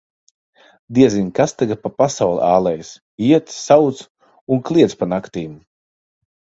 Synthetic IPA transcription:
d̪iɛzinʲkast̪aɡapapasawl̰ˠaːlˠɛjs | iɛt̪sawt̪s | unklˠiɛt̪spanakt̪iːm

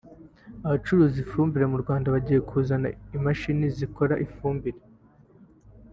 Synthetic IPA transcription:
aβat͡ʃuɾuːzifuːmbiɾemuɾɡwaːndaβaɟije̞kʰuːzana̰imaʃiniziko̞ɾaʔifuːmbiɾe

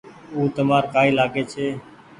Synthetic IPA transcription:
uːt̪əmaːɾkaːiːlaːɡeːt͡ʃʰeː

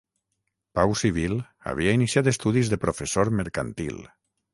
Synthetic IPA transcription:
pawsiβ̞il | a̰β̞iainisjat̪est̪uðizðepɾofesoɾmeɾkant̪ḭl

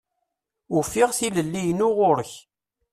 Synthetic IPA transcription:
ʊfɪʁθiləlːijnʊʁʊɾəç

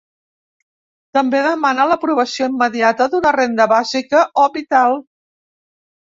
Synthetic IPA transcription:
t̪əmbeðəmanələpɾuβ̞əsioimːəðiat̪əðunərend̪əβazikəʔoβit̪alˠ

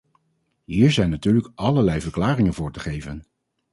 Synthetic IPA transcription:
ɦiːɹzɛjnatyːɹləkɑləɹlɛjvəɹklaːrɪŋənvʊːɹtəχejvən

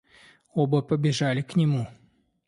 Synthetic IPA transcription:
obəpəbʲɪʐalʲɪknʲɪmu

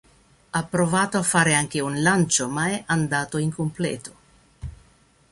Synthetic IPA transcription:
apːɾovaːt̪oafːaːɾeaŋk̟eunlant͡ʃomaɛʔand̪aːt̪oiŋkomplɛ̰ːt̪o̥

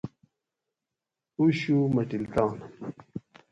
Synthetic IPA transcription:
uɕumɐʈilt̪aːn

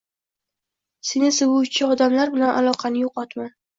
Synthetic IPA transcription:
senɪsɨwʊt͡ʃʰɪɒd̪amlaɾbɪlanʔalˠɒqʰɑnɪjoqʰɒt̪man

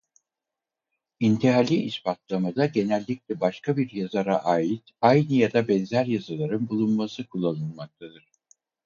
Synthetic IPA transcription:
int̪ʰiɦalʲiʔːspʰat̪lˠamad̪aɟe̞nælʲːiclʲɛbaʃkʰabiɾjazaɾaʔaːjit̪ajnɯjad̪abɛnzæɾjazalˠaɾɯnbulˠunmasɯkʰulˠːanɯnˠmak̚t̪ʰad̪ɯɾ̥

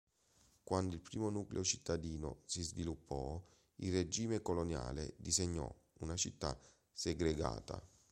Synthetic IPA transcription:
kwand̪oilpɾiːmonuklḛot͡ʃit̪ːad̪iːno̰sizvilupːɔ | ilred͡ʒiːmekolonja̰ːlḛd̪iseɲːɔ̰ | unat͡ʃit̪ːa̰ | seɡɾeɡa̰ːt̪a̰

